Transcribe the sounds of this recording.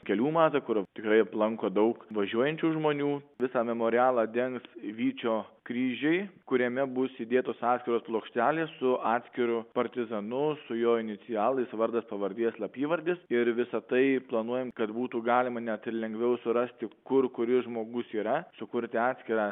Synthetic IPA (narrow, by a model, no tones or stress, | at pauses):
kʲɛlʲuːmɑːt̪ɐkʊɾt̪ʲɪkɾɐɪɐplˠɐŋkoːd̪ɐʊkʋɐʒʲuɔjɛnʲt͡ʃʲuːʒmoːnʲuːʋʲɪsɑːmʲɛmoːɾʲɪɑːlˠɑːd̪ʲɛŋksʋʲiːt͡ʃʲoːkɾʲiːʒʲɛɪkʊɾʲiɛmʲɛbʊsid̪ʲeːt̪oːsɑːt̪sʲkʲɪɾoːsplˠoːkʃʲt̪ʲæːlʲeːssʊɑːt̪sʲkʲɪɾʊpɐɾʲt̪ʲɪzɐnʊsʊjoːɪnʲɪsʲɪjɑːlˠɐɪsʋɐɾd̪ɐspɐʋɐɾʲd̪ʲiɛslˠɐpʲiːʋɐɾʲd̪ʲɪsɪɾʋʲɪsɐt̪ɐɪplˠɐnuɔjɛmkɐt̪buːt̪uːɡɑːlʲɪmɐnʲɛt̪ɪɾlʲɛŋɡʋʲɛʊsʊɾɐsʲt̪ʲɪkʊrkʊɾʲɪʒmoːɡʊsiːɾɐsʊkʊɾʲt̪ʲɪɑːt̪sʲkʲɪɾɑː